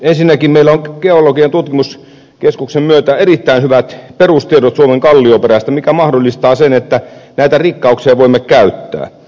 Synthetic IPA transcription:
ensinːækimmeilːæoŋɡ̥eolokient̪ut̪kimus | keskuksemmyøt̪æerit̪ːæinhyʋæt̪perust̪ieɾot̪suomeŋkɑlːiopeɾæst̪æmikæmɑhdolːˑist̪ɑːsenet̪ːænæˑit̪ærikːɑuksiɑʋoimːekkæyt̪ːæ̰ː

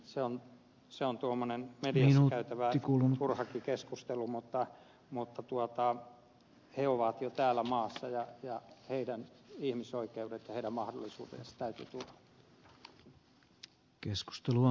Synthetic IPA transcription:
seon | seont̪uomːonenmediɑsnːɑukæyt̪æʋæikuːlunt̪urhɑkikeskust̪elumut̪ːɑ | mut̪ːɑt̪uot̪ɑ | heoʋɑt̪jot̪æːlːæmɑːsːɑjɑjɑheidænihmisoikeudet̪jɑheiɾæmmɑhdolːisṵːt̪ḛːnsɑ̥t̪æyt̪y̰ːt̪urhɑ̥ | kesku̥st̪eluo

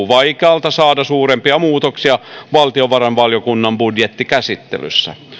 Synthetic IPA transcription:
uʋɑikeɑlt̪ɑsɑːdɑsuːɾempiɑmuːt̪oksiɑʋɑlt̪ioʋɑrɑnʋɑljokunːɑmbudjet̪ːikæsit̪ːḛly̰sːæ̰

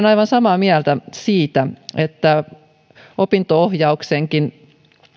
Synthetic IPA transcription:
nɑjʋɑnsɑmɑːmiælt̪æsiːt̪æet̪ːæ | opint̪oohjɑukseŋkin

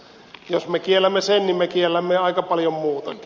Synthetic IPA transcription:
josmekielæmːesennimmekielːæmːeɑˑikɑpɑljommuːt̪ɑk

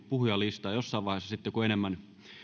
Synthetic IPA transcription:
puhujɑlist̪ɑːjosːɑˑiʋɑˑihesːɑsit̪ːekuenemːæn

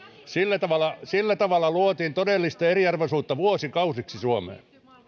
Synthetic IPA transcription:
silːæt̪ɑʋɑlːˑɑsilːæt̪ɑʋɑlːˑɑluot̪iːnt̪odelːist̪ɑeriɑrʋosuːt̪ːɑʋuosikɑusiksisuomḛː

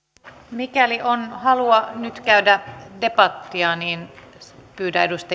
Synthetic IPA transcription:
mikæliʔonhɑluɑnyt̪kæydæde̞pɑt̪ːiɑniːnpyːtæedust̪ɑ

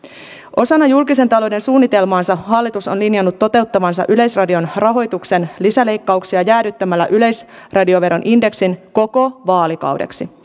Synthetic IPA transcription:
ʔo̞sɑnːɑjulkise̞nt̪ɑlo̞de̞nsuːnːit̪e̞lmɑːnsɑɦɑlːit̪uso̞nlinjɑnːut̪ːo̞t̪e̞wt̪ːɑʋɑnsɑ̰ʔyle̞jsrɑdio̞nrɑɦo̞jt̪ukse̞nlisæle̞jkːɑuksiɑjæːɾyt̪ːæmælːæ̰ʔyle̞jsrɑdio̞ʋe̞ɾo̞nʔinde̞ksinko̞ko̞ʋɑːlikɑ̰wde̞̰ksi

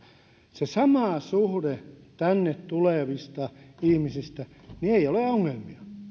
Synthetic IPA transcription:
sesɑmɑˑsuhdet̪ænːet̪t̪uleˑʋist̪ɑihmisist̪æ | nieioleoŋːelmiɑ

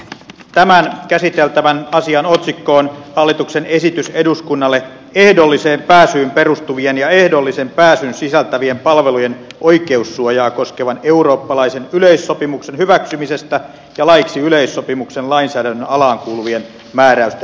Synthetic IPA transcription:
t̪æmænkæsit̪elt̪æʋænɑsiɑnot̪sikːo̞ːnhɑlːit̪uksene̞sit̪yse̞duskunːɑlːe | e̞hdolːiseːmpæːsyːmpe̞rust̪uʋienjɑe̞hdolːisempæːsynsisælt̪æʋie̞mpɑlʋelujenʔo̞ike̞usːuojɑːko̞skeʋɑne̞uɾo̞ːpːɑlɑisenyleisːopimuksenhyʋæksymise̞st̪æ | jɑlɑjksiyleisːo̞pimuksenlɑinsæːdænːønɑlɑːŋkuːluʋien | mæːɾæyst̪æ

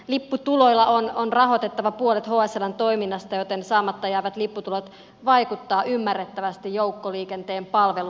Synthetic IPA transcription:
lipːut̪ulo̞ilːɑononrɑɦo̞t̪e̞t̪ːɑʋɑpuolet̪hoɑselɑnt̪o̞iminːɑst̪ɑjo̞t̪ensɑːmːɑt̪ːɑjæːʋæt̪lipːut̪ulot̪ | ʋɑikut̪ːɑːʔymːærːet̪ːæʋæst̪ijjoukːoliːkent̪eːmpɑlʋelu

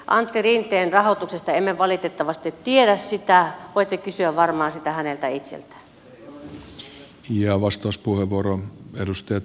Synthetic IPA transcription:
ʔɑnt̪ːirint̪eːnrɑhot̪uksest̪ɑemːeʋɑlit̪et̪ːɑʋɑst̪et̪tieɾæssit̪æʋoit̪ːekysyæʋʋɑrmɑːsit̪æhænelt̪æit̪sḛlt̪æ̥ | jɑʋɑst̪ɑuspuheʋʋuoɾoedust̪ɑjɑt̪

